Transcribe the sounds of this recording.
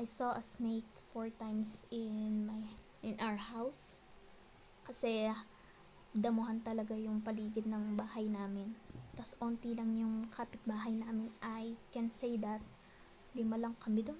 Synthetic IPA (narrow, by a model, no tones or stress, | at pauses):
ʔajsoʔɐsnejk̚ | foɹt̪ãjmsɪnmaj | ʔɪnʔawəɹhaws | kɐsɛ | d̪ɐmʊhɐnt̪ɐlɐɡajʊŋpɐliːɡɪd̪̚nɐŋbaːhɐjnaːmɪnt̪ɐsʔoːnt̪ilɐŋjʊŋkʰaːpɪt̪̚baːɦɐjnaːmɪnʔɐjkɛnsejd̪ɐt̪̚ | lɪmalɐŋkɐmɪd̪on